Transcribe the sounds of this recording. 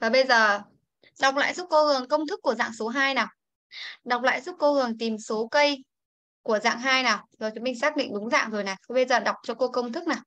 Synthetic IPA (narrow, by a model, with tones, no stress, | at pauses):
vaː˨˩ɓə˧jzəː˨˩ | ɗa˨˩wk͡p̚la̰ː˧˨jzu˦˥t̚ko˧hɨ˨˩əŋkə˧wŋ͡mt̪ʰɨ˦˥kːu˧˩əza̰ː˧˨ŋso˨˦ɦaː˧jnaː˨˩w | ɗa˨˩wk͡p̚la̰ː˧˨jzu˦˥k͡p̚ko˧hɨ˨˩əŋt̪i˨˩mso˨˦kə˧j | ku˧˩əza̰ː˧˨ŋɦaː˧jnaː˨˩wzo˨˩jt͡ɕʊ˨˦mï˧ŋ̟saː˦˥k̚ɗḭ˧˨ŋ̟ɗʊ˨˦ŋ͡mza̰ː˧˨ŋzo˨˩jna˨˩t̪ʰi˨˦ɓə˧jzəː˨˩ɗa˨˩wk͡p̚t͡ɕɔ˧ko˧kə˧wŋ͡mt̪ʰɨ˦˥k̚naː˨˩w